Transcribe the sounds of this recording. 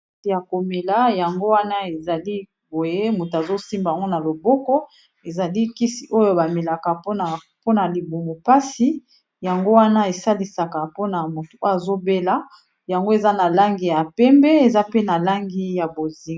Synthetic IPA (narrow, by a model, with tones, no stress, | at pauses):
ja˨ko˨me˨la˦ja˨ŋɡo˦wa˦na˦e˨za˨li˦ | bo˨je˦mu˨ta˨zo˦si˦mba˨ja˨ŋɡo˦na˨lo˨bɔ˦kɔ˦ | e˨za˨li˦ki˦si˨ʔo˦jo˦ba˨me˨la˨ka˨po˦na˨ | po˦na˨li˨bu˨mu˨pa˦si˨ | ja˨ŋɡo˦wa˦na˦e˨sa˦li˨sa˨ka˨po˦na˨mo˨to˨ʔa˨zo˦be˦la˦ | ja˨ŋɡo˦e˨za˦na˨la˦ŋɡi˨ja˨pɛ˦mbɛ˦e˨za˦pe˦na˨la˦ŋɡi˦ja˨bo˨zi˨